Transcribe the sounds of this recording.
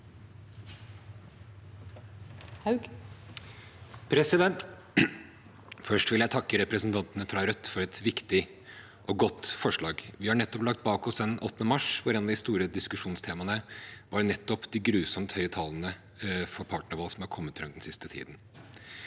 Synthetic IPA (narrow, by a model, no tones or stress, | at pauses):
h | pʰɾɛsɪd̪ɛnt̪ | fœʂʈʋɪljæɪt̪ʰɑkːəɾɛpɾəsnt̪ʰɑnt̪nəfɾɑɾœt̪ːfɔɾɛt̪ʋɪkt̪ɪ | ʔɔɡɔt̪ːfɔʂɭɑːɡʋɪhɑɾɳɛt̪ːɔplɑk̚t̪̚bɑːkɔsd̪ɛnʔɔ̰t̪ːnəmɑʂʋɑɾɛnɑd̪ɪst̪uːɾəd̪ɪskʉʂuːnst̪ʰeːmɑnəʋɑɾnɛt̪ːɔpd̪ɪɡɾʉːsɔmt̪hœʏət̪ʰɑːlənə | fɔɾpʰɑːʈnəɾʋɑːlsɔmhɑɾkʰɔmːət̪ːɾʉnɛnsɪst̪ət̪ʰḭːd̪n